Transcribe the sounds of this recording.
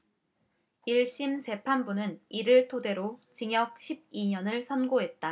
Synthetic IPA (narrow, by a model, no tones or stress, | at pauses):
iɭɕ͈imt͡ɕe̞pʰanbunɯniɾɯɭtʰode̞ɾot͡ɕiŋjʌk̚ɕʰib̚iɲʌnɯɭsʰʌnɡoɦe̞t̚t͈a